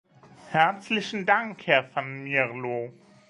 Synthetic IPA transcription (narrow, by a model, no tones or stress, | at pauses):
hɛɐt͡slɪçn̩daŋkhɛɐfanmɛʁlo